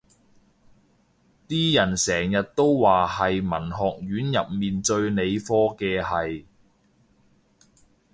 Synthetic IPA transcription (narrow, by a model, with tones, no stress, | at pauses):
t̪iː˥jɐ˨˩nsɛː˨˩ŋjɐ˨t̚t̪o˥wwaː˨hɐ˨jmɐ˨˩nɦɔː˨k̚ɥyː˨˥njɐ˨p̚miː˨nt͡sɵ˧ɥne˨˧jfɔː˥kɛː˧hɐ˨j